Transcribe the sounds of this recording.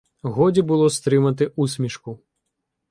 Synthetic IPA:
ɣɔdʲibɨlˠɔst̪ɾɪmɐt̪ɪʔusʲmʲiʃku

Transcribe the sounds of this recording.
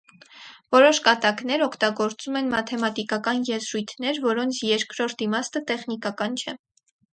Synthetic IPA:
vɔɾɔʃkɑt̪ɑkn̪ɛɾɔkʰt̪ɑɡɔɾt͡sumɛnmɑt̪ʰɛmɑt̪ikɑkɑnjɛzɾujt̪ʰnɛɾvɔɾɔnt͡sʰjɛɾkɾɔɾt̪imɑst̪ət̪ɛχnikɑkɑnt͡ʃʰɛ

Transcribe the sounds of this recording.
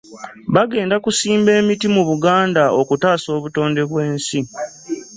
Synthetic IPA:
βaɡe̞ːndakusiːmbe̞ːmitimuβuɡaːndaokutaːso̞ːβuto̞ːnde̞βwe̞ːnsi

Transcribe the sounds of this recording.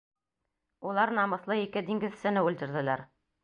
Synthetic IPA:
ulˠɑɾnɑmɤ̆θlˠɤikɘd̪iŋɡɘ̆ðsɘ̆nɘʉlt̪ɘ̆ɾðɘ̆læɾ

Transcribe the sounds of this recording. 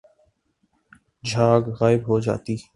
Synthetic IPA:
d͡ʒʱaːɡɣaːɪbɦoːd͡ʒa̰ːt̪iː

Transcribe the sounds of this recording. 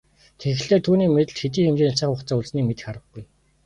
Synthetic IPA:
t̪ʰexɘ̆ɮeːrt̪ʰuːniːmet̪ɘ̆ɮxet̪̬iːxemt͡ɕeːnʰt͡ɕaːχʊχt͡saːuɮsniːmet̪ɘ̥̆xχaɾə̆ɡɡuj

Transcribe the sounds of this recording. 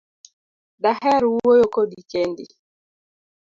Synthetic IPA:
ɗahɛɾuojokodikɛndḭ

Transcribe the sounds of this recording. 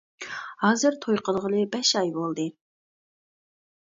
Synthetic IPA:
hɑːzɨɾt̪ʰojqʰəlˠʁənɨbɛʃɑjbolˠd̪ɨ

